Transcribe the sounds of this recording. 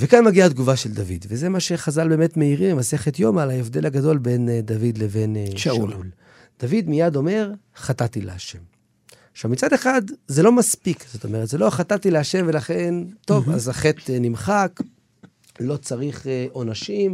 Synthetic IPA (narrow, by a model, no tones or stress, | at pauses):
vekanmaɡiad̪ɡuvaʃeld̪avḭd̪vezemaʃe̞χazalbe̞ːmet̪me̞iʁimemase̞χet̪jo̞malaefd̪e̞lhaɡado̞lbe̞nd̪avid̪leve̞neʃaul | d̪̥avid̪mijad̪o̞me̞ʁχat̪at̪ilḛaʃe̞m | aʃavmit͡sad̪eχad̪zelo̞maspikz̥oto̞meʁet̪zelo̞χat̪at̪ileaʃe̞mve̞laχe̞nt̪o̞va̰zaχet̪nimχak | lo̞t͡saʁiχʔo̞naʃim